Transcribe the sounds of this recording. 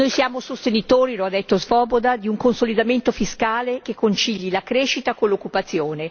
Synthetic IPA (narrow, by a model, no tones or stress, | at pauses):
nojsjaːmosost̪enit̪oːɾiload̪ːet̪ːozvɔːbod̪ad̪iuŋkonsolid̪ament̪ofiskaːlekekːont͡ʃiʎːilakɾeːʃit̪akonlːokːupat̪sːjoːne